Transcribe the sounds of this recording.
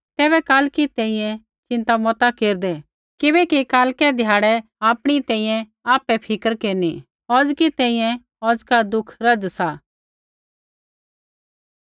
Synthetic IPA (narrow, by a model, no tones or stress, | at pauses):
t̪ɛːβɛkaːlkit̪ɛ̃ĩjɛ̃ | t͡ʃɪ̃nt̪amɔt̪akeːɾd̪ɛ | kɪbɛkikaːlkɛd̪ʱjaːɽɛaːpɽ̃it̪ɛ̃ːĩːjɛ̃ | aːpɛpʰɪkəɾkeːni | ɔːd͡zkit̪ɛ̃ːĩjɛ̃ | ɔːd͡zkad̪ʊkʰɾɐd͡zsaː